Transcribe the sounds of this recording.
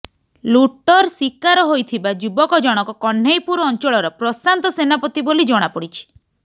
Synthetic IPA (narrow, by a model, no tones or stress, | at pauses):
luʈɔɾsikaɾɔɦojt̪ʰibad͡ʒubɔkɔd͡ʒɔɽ̃ɔkɔkɔɳ̤ejpuɾɔɔnt͡ʃɔɭɔɾɔpɾɔsant̪ɔsenapɔt̪ibolid͡ʒɔɽ̃apɔɽit͡ʃʰi̥